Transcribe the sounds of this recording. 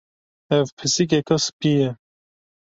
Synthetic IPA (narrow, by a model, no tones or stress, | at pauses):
ɛvpʰɨsikɛkɔspijɛ